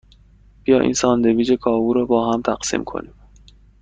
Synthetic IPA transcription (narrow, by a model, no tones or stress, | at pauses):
b̥ijɒːʔḭːnsɒːnd̪eviːd͡ʒekʰɒːvuːɾɒːbɒːɦæmt̪ʰæɢ̥sḭːmkʰo̰niːm